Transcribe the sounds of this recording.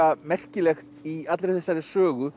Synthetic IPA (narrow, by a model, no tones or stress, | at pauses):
amɛr̥cɪlɛxt̪iat̪lɾɪθɛsːaɾɪsœːɣʏ